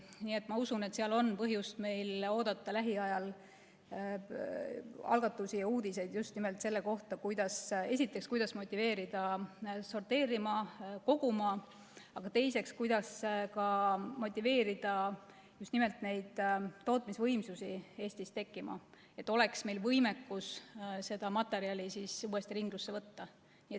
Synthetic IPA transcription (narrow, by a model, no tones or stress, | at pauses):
niːe̞t̪ːˑmɑusune̞t̪seɑlo̞npɤɦjust̪me̞jlo̞ːd̪̥ɑt̪ːˑɑlæɦiɑjɑl | ɑ̰lɡ̥ɑt̪ːˑusijɑuːd̪̥ise̞jd̪̥just̪nimelt̪se̞lːeko̞ht̪ɑkujd̪ɑse̞s̬ʲit̪ːˑekskujd̪̥ɑsmo̞t̪ʲːˑive̞ːɾid̪̥ɑso̞rt̪e̞ːɾimɑko̞ɡ̥umɑ | ɑɡ̥ɑt̪e̞jse̞kskujd̪̥ɑskɑmo̞t̪ʲːˑive̞ːɾid̪̥ɑ | just̪nime̞lt̪ne̞jd̪̥t̪o̞ːt̪ˑmisvɤjmsusie̞ːsʲt̪ist̪e̞kːˑimɑ̰ | et̪ːˑo̞le̞ksme̞jlvɤjmekːˑusse̞d̪̥ɑmɑt̪ːˑe̞ɾiɑlʲisisuːe̞st̪iɾiŋɡ̥lusːevɤt̪ːɑ | nie